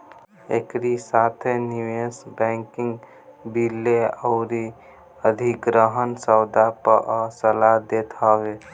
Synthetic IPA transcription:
ḛkɾisat̪ʰeniwesbɛ̃ŋkiŋɡ | bilːeəʊɾi | əd̪ʱiɡɾəɦənsəwd̪apəʔsəlad̪et̪ʰɦəbe

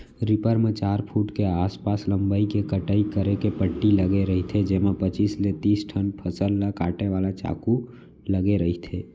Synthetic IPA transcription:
ɾipəɾmet͡ʃaːɾpʰuːʈkeaːspaːsləmbaikekəʈəikəɾekepəʈːiləɡeɾəɦit̪ʰed͡ʒeːmepət͡ʃiːslet̪iːsʈʰənpʰəsəlːakaːʈeʋaːlat͡ʃa̰ːku | ləɡeɾəɦit̪ʰeː

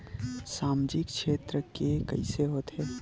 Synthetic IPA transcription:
saːmd͡ʒɪkʃʰeːt̪ɾəkekə̰ɪseɦoːt̪ɦɛː

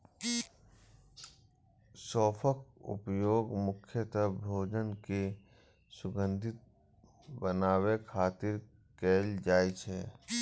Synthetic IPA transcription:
sɔːpʰəkʊ̰pjoːɡmʊkʰjət̪əbʱoːd͡ʒənke | sʊɡə̃nd̪ʱɪt̪̚ | bənaːwekʰaːt̪ɪɾ | keːld͡ʒaːit͡ʃʰɛ

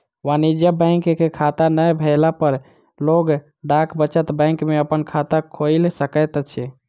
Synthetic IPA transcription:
ʋanid͡ʒjəbə̃ŋkkekʰat̪anəjbʱəɪlapəɾ | loɡ | ɖakʰbət͡ʃət̪bɛ̃ŋkmeəpənkʰat̪akʰojlsəkət̪t͡ʃʰɛ

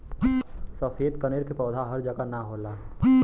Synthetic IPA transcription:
səfeːd̪kəneːɾkepɔːd̪ʱaɦɐɾd͡ʒəɡanaɦoːlaː

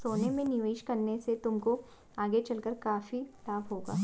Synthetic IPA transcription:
soːnemẽnɪʋəɪʃkɐɾneset̪ʊmko | aːɡet͡ʃɐlkəɾkaːfilaːbɦoːɡa̰ː

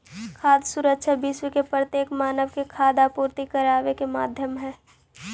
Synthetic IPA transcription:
kʰaːd̪suɾəkʃʰabɪʃwəkepɾət̪jeːkmaːnəʋkekʰaːd̪apuːɾt̪ikəɾaːʋekemaːd̪ʱjəmɦɛː

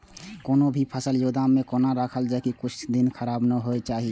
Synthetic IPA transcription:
koːnobʱipʰəsəljod̪amːẽkoːnaɾakʰəld͡ʒakikʊt͡ʃʰd̪inkʰəɾaːbnəɦoet͡ʃaːɦi

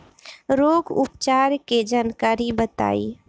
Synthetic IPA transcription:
ɾoːɡʊpt͡ʃaːɾked͡ʒaːnkaːɾibət̪a̰ːiː

